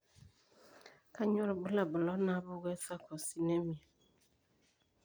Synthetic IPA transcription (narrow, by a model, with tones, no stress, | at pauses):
ka˦ɲɔ˦ɾbu˦la˨bʊ˨lɔ˨˦na˦bʊ˦ɡɛ˦sa˦kʰɔ˨si˨nɛ˦mi˨ɛ˨